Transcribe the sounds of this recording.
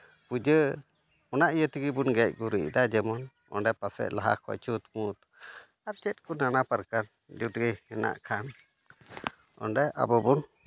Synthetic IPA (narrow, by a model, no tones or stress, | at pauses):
pud͡ʒə | ɔnaʔijət̪iɡibunɡɛc̚ˀɡuɾiʔd̪ad͡ʒɛmɔn | ɔ̰nɳɖɛpasɛ̰ʔlaɦa̰kʰɔ̰t͡ʃut̪mut̪ | aɾt͡ʃɛt̪̚kunanapaɾkan | d͡ʒut̪iɡəhɛna̰ʔkʰan | ɔ̰nɖɛʔa̰bɔbun